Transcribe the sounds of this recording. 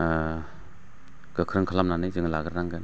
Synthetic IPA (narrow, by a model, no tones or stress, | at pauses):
ɡ̥ɯkʰɾɯŋkʰalamnanɯjzɯŋlaɡɯɾnaŋɡan